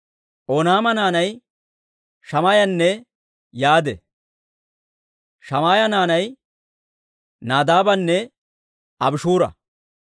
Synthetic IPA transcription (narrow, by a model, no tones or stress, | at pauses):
ʔɔnaːmɐnaːnɐj | ʃɐmaːjɐnːɛ | jaːd̪ɛ | ʃɐmaːjɐnaːnɐj | naːd̪aːbɐnːɛ | ɐbɪʃuːɾɐ̰